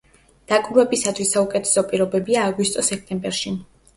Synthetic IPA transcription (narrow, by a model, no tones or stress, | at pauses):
d̪̥akʼuɾwɛbisat̪ʰwisːaukʼɛt̪ʰɛ̥sɔpʼiɾɔbɛbiaːɡwist̪ʼɔsɛk̚ʰt̪ʼɛmbɛɾʃi